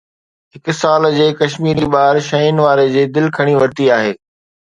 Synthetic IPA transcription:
ɦɪksaːld͡ʑeːkɐʃmiːɾiɓaːɾʃɐinʋaːɾed͡ʑiːd̪ɪlkʰɐɽ̃iʋɐɾt̪iaːɦeː

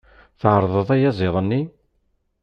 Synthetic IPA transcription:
θʕəɾˤðˤəðˤæjæzˤɪðˤənːi

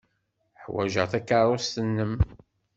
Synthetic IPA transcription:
ħwæ̰ʒə̰ʁθækːɑɾˤost̪ənːəm

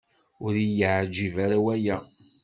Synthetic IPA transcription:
ʊɾijəʕd͡ʒivaɾawæjæ

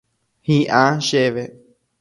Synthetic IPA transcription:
hiʔãʃeβe

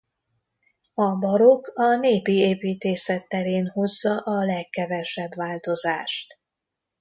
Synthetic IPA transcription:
ɒbɒɾo̞kɒneːpieːpiːt̪eːsɛt̪ːɛɾeːnho̞zːɒʔɒlɛkːɛvɛʃɛbʋaːlt̪o̞zaːʃt̪

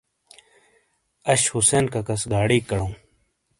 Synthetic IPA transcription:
ɐɕhuseːnkɐkɐsɡaːɽiːkɐɽõː

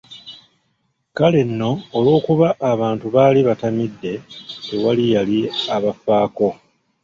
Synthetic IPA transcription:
kale̞nːo̞ːlo̞ːkuβaʔːβaːntuβaːliβatamidːe̞tewalijaliaβafaːko̞

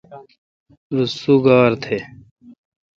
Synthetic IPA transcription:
ɾusuːɡaːɾt̪ʰeː

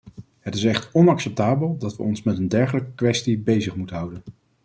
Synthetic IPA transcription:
ɦətɪsɛχtɔnɑksɛp̚taːbəlˠdɑtʋə̰ɔnsmɛtəndɛɹχələkəkʋɛstibejzəχmutənɦʌwdən

